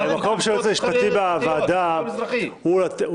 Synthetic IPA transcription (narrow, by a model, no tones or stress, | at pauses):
bemako̞mʃejot͡semiʃpat̪ibeavaːd̪a | uat